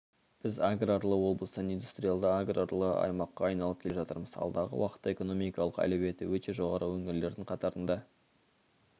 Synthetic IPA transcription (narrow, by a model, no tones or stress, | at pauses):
b̥ɪzaɡraɾlˠəwo̞blˠəsnind̪ust̪rʲijalˠd̪əaɡraɾlˠəɑ̰jmɑqːɑːjnɑlˠəp̚kʲʰeʒɑt̪əɾməz̥ɑ̰lˠd̪ɑʁə̰wɑqə̥t̪ːɑeko̞no̞mijkɑlˠəqæ̰leβe̞t̪ɪwɵt̪e̞ʒo̞ʁɑɾʔəwɵŋɪɾle̞ɾd̪ɪɴqʰɑt̪ɑɾənd̪ɑ